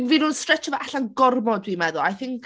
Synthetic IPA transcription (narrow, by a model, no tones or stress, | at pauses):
vinʊnstrɛt͡ʃʰɔvaʔaɬanɡɔrmɔdwimɛðʊlˠa̰jθɪŋk